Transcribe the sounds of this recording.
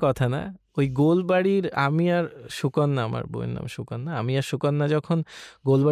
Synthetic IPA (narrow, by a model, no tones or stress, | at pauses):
kɔt̪ʰana̰ | ojɡolbaɽiɾa̰miaɾʃukonːaa̰ma̰ɾbo̰jḭnːa̰mʃukɔnːaamiaɾʃukɔnːad͡ʑɔkʰonɡolba